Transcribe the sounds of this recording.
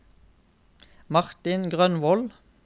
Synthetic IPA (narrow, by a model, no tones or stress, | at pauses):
mɑʁt̪ɪnɡʁœnʋɔl